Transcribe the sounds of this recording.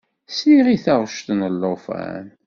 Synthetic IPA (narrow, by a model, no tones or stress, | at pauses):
siʁiθɑʁʃt̪nəlːofæ̰n